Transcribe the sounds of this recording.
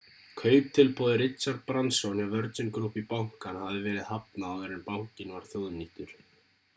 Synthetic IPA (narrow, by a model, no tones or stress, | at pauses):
kʰœːɥt̪ʰɪlpʰɔːðɪɾɪt̪saɾt̪̚pɾansɔnjavœɾt̪ʏnkɾuhpipawŋ̥kanhavɪvɛːɾɪðhap̚naawɣɛɾɪnpawcɪnvaɾ̥θjoːwðnːiht̪ʏɾ̥